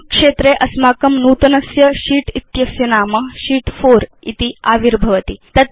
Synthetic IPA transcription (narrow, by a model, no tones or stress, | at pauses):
kʂeːt̪ɾeːʔɐsmaːkɐmnuːt̪ɐnɐsjɐʃiːʈit̪jɐsjɐnaːmɐʃiːʈfoːɾḭt̪iaːʋiɾbʱɐʋɐt̪it̪ɐt̪̚